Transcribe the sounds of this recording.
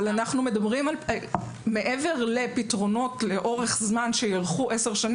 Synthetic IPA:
lanaχnume̞dabʁimal | me̞ʔeve̞ʁle̞pitʁo̞no̞tleʔo̞ʁe̞χzmanʃejaʁχuʔeseʁʃan

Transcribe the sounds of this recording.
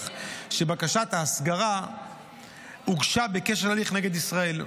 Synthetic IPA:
ʃebakaʃat̪aːsɡaʁa | uɡʃabekeʃelaliχneɡe̞d̪isʁae̞l

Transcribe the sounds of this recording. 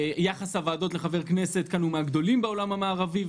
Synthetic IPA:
jaχashavaːdo̞t̪le̞χave̞ʁkne̞set̪̚kanumeaɡd̪o̞limbeo̞lamamaːʁavi

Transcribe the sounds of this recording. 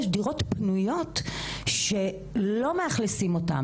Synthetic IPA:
ʃdiʁo̞tpnujo̞tʃe̞ | lo̞meaχlesimo̞ta̰m

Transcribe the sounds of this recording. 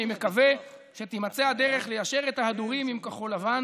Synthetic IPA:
ime̞kave̞ | ʃet̪imat͡sead̪e̞ʁe̞χlejaʃe̞ʁet̪haad̪uʁimimkaχo̞lavan

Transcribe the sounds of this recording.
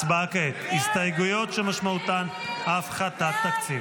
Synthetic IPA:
sbaket̪ist̪ajeɡujo̞t̪ʃemaʃmaut̪an | afχat̪at̪ːakt͡siv

